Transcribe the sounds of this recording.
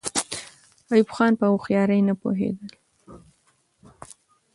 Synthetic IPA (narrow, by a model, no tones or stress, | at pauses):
ɑjubxɑnpəuxjɑɾəjnapo̰ɦḛd̪əl